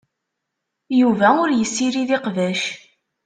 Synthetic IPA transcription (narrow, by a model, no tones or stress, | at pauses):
juvæʊɾjəsːiɾiðiqvæʃ